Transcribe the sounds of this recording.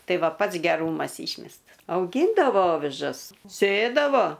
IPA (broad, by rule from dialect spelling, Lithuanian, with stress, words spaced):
ˈtɐɪ ˈʋɐ ˈpɐts ɡʲɛˈruːmɐs ˈiːʃʲmʲɛstɐs ɐʊˈɡʲiːndɐʋoː ˈoːʋʲɪʒɐs ˈsʲeːdɐʋoː